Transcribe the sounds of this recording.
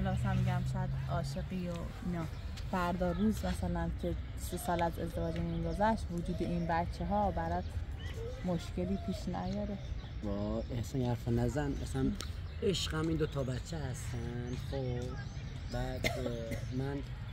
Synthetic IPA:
hɔlɒmæsænmiɟæmʃɔæd̪ɒːʃeɡiːjo | inɒː | fæɾd̪ɒːɾuːzmæsælæncʰe̞ | sesɒːlæzḛzd̪e̞vɒːd͡ʒemiŋɡozæʃt̪vod͡ʒuːd̪eʔinbætt͡ʃʰːeɦɒːbæɾɒːt̪ʰ | moʃce̞liːpʰiːʃnæ̰jɒːɾebɔehsɑnjhæɾfɑnæzænmæsææn | eʃqæmiːnd̪ot̪ʰɒːbætt͡ʃʰːehæst̪ænd̪̥χobb | bæd̪mæn

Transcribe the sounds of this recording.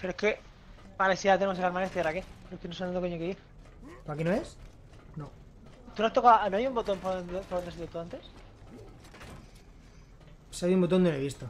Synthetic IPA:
peɾoeke | balesiat̪enemos̬elaɾmanest̪iaɾakelokenos̬ont̪okeɲokein | poakinoes | no | t̪unoast̪okaonoajumbot̪ompopoɾot̪eas̬iðot̪uant̪es | saβjiumbot̪ond̪oneβist̪o

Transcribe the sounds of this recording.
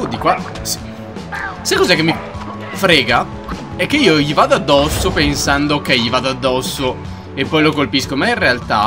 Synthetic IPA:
d̪ikwa | s | sekːɔzɛkːemːi | fɾɛːɡa | ɛkːeiːoʎivad̪oad̪ːɔsːopensand̪ok̟eʎːivad̪oad̪ːɔsːo | epːɔjlokolpiskomainrealt̪a̰

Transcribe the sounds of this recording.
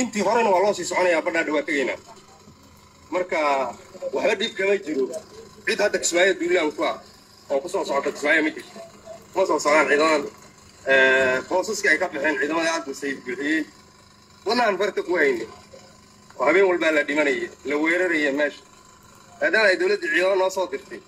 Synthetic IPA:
ʔɪnt̪ʰiːɦɔɾɛnɐwɑːlɔːsiːsɔʕɔnɐjaːbɐɖaːɖɐwaːt̪ʰɛɣɛjna̰ː | mɐrkʰɐwɑħbɐɖiːb̚kʰɐmɐt͡ʃɪɾɔʕɪd̪hɐd̪ɐkʰɪ̥sbaːjɐd̪uːɾlaːŋkʰʊɐ | ɔːkʰʊsɔːsɔʕɔt̪ʰɐkʰɪsbaːjɐmɐt͡ʃɪrt̪ʰɐ | kʊmɐsɔːsɔʕɾaːnʕiːðɐmɐn | ɛːfrɔːsɐskʰɐɛjkʰɐbɪħɛːnʕiːðɐmɐðɐɐsmɪsɛjbuħɪjɛj | wɐnɐanfɐrt̪ʰɐkʊhɛjnɪ | ɔːhɐβɛːnwɐlbaːlɐɖɪmɐnɐjɛlɐwɛːɾɐɾɐjɐmɛːʃɐ̥ | maːd̪aːmɐɛjd̪ɔwlɐd̪iʕiːðɐmɐnɔːsɔːd̪ɪrt̪ʰɛj

